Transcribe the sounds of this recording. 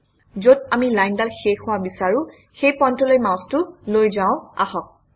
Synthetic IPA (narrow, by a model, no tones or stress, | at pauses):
zodamilajndalxexʊwabisaɹʊ̃ | xejpɔntɔlojmãw̃stʊlojzaʊ̃a̰hɔk̚